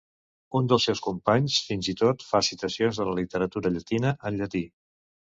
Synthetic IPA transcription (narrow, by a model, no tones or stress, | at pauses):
und̪əlˠsɛwskumpaɲsfinzit̪ot̪fasit̪əsionzðələlit̪əɾət̪uɾəʎət̪inəʔəʎət̪i